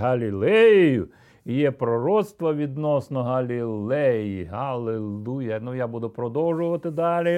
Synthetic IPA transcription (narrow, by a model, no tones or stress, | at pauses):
ɦɐlʲilˠɛjjʊ | ijɛpɾɔɾɔt̪st̪ʋɐʋʲid̪nɔsnɔɦɐlʲilˠɛjiɦɐlˠɪlˠujɛnʊjabud̪ʊpɾɔd̪ɔwʒʊʋɐt̪ɪd̪ɑlʲi